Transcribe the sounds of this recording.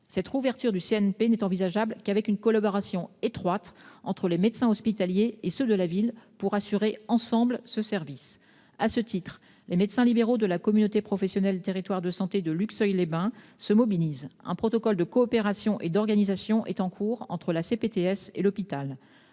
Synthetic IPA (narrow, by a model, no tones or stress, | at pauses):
sɛt̪χuvɛʁt̪yʁd̪yseɛnpenɛt̪ɑ̃vizaʒablkavɛkynkɔlabɔʁasjɔ̃et̪χwat̪ɑ̃t̪χəlemed̪sɛ̃ɔspit̪aljeːsød̪əlavilpuʁasyʁeɑ̃sɑ̃blsəsɛʁvis | asət̪it̪χ | lemet̪sɛ̃libeʁod̪əlakɔmynot̪epχɔfɛsjɔnɛlt̪eʁit̪waʁd̪əsɑ̃t̪ed̪əlyksœjlebɛ̃ | səmɔbilizɛ̰̃pχɔt̪ɔkɔld̪əkɔːpeʁasjɔ̃ʔed̪ɔʁɡanizasjɔ̃ʔɛ̰t̪ɑ̃kʰuʁɑ̰̃t̪χəlasepet̪eɛsḛlɔpit̪al